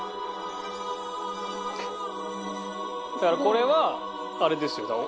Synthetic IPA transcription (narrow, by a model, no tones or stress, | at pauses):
d̪akaɾakʰoɾeʋaː | ɾed̪esɨjot̪amo